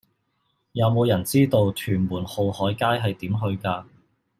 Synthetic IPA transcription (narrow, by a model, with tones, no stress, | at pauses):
jɐ˨˧wmo˨˧wjɐ˨˩nt͡siː˥t̪o˧wt̪ʰyː˨˩nmuː˨˩nho˨whɔː˨˥jkaː˥jɦɐ˨jt̪iː˨˥mɦɵ˧ɥkaː˧